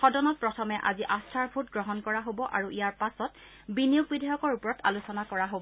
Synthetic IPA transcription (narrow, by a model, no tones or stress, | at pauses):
xɔdɔnɔt̚pɹɔtʰɔmɛʔa̰ziʔastʰaɹbʱutɡɹɔɦɔnkɔɹaɦobɔʔaɹuʔijaɹpasɔt | binijuɡ̚bidʱɛjɔkɔɹupɔɹɔta̰lusɔnakɔɹaɦobɔ